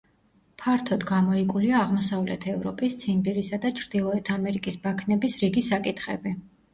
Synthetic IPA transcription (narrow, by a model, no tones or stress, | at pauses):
pʰaɾt̪ʰɔd̪ɡamɔikʼuliaːʁmɔsavlɛ̰t̪ʰɛvɾɔpʼist̪sʰimbiɾisad̪at͡ʃʰɾd̪̥ilˠɔɛt̪ʰamɛɾikʼisbakʰnɛbisɾiɡisakʼit̪ʰχɛ̰bi